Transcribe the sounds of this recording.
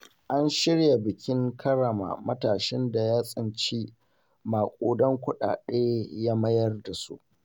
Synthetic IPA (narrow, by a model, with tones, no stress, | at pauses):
ʔa˦nʃɪ˦ɽja˨bɪ˨kʲɪ˦ŋkʰɐ˦ɽɐ˨ma̰ː˨mɐ˦taː˨ʃɪ˦nda˨jaː˦sʼɪ˨nt͡ʃiː˦ | maː˨kʷʼoː˨dɔ˦ŋkʷʊ˦ɗa̰ː˨ɗeː˦jaː˦mɐ˦jɐ˦rda˨sṵ˦ʔ